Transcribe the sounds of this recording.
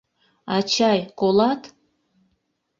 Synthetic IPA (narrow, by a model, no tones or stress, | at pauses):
ɑt͡ɕɑjkolɑt̪